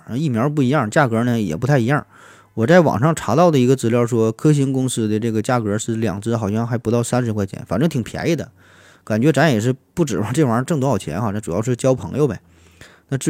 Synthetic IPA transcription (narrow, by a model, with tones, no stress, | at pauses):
a˥˧i˥˩mjɑ˧˥p̬u˥˩i˧˥jɑ˥˩ŋt͡ɕja˥˩kɤ˧˥nə˧˨jɛ̰˨˩pu˧˥t̪ʰa˥˩ɪi˧˥jɑ˥˩ | wɔ˨˩t͡sa˥˩ɪwɑ̰˨˩ŋʂɑ˥˩ŋʈ͡ʂʰa˧˥t̪ɑ˥˩ʊd̪ə˩i˧˥ɡə˧t͡sɹ̩˧˥ljɑ˥˧ʊʂwɔ˥kʰɤ˥ɕ̬i˧˥ŋkʊ˥ŋsɹ̩˥d̪ə˨˧ʈ͡ʂɤ˥˩ɡə˩t͡ɕja˥˩kɤ˧˥ʂ̩˥˩ljɑ̰˨˩ŋt͡sɹ̩˥˩xɑ˨˩ʊɕjɑ˥˧ŋxa˧˥ɪpu˧˥t̪ɑ˥˩ʊsa˥nʂ̬ɻ̩˧˥kwa˥˧ɪt͡ɕʰjɛ̰˧˥nfa˨˩nʈ͡ʂɤ˥ŋt̪ʰi˨˩ŋpʰja̰˧˥ɪi˥˩d̪ə̰˩ | ka˨˩nt͡ɕɥɛ˧˥ʈ͡ʂa˧˥njɛ˨˩ʂ̬ɻ̩˥˧pu˥˩ʈ͡ʂɻ̩˨˩ma˧ʈ͡ʂwa˧˥ʈ͡ʂɤ˥˧ŋt̪wxɑ˨˩ʊt͡ɕʰjɛ̰˧˥nxa˥˧˩na˥˩ʈ͡ʂu˨˩jɑ˥˧ʊʂɻ̩˥˩t͡ɕjɑ˥ʊpʰɤ˧˥ŋjo˥˧ʊbḛ˨˩ | na˥˧ʈ͡ʂ̩˥